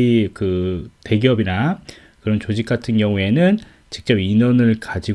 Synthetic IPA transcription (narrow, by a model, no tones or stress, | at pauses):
ikɯte̞ɡiʌbina | kɯɾʌnt͡ɕod͡ʑik͈̚atʰɯnɡjʌŋue̞nɯn | t͡ɕi̥k̚t͡ɕ͈ʌbiɲʌnɯɭkad͡ʑi